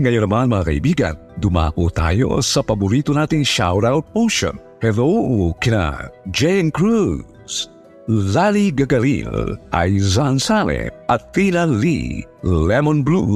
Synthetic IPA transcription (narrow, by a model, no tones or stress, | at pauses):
ŋajəɾəmanmaɾa̰jbiɡa̰t̪̚d̪uma̰kot̪a̰jo̰səpabuɾit̪unat̪iŋʃa̰wɾawt̪̚moʃə̰n | hɛðokina̰d͡ʒenkɾu | s | laliɡəɡalḭla̰jzansalɛ̰at̪inalḭ | lɛmɔnblu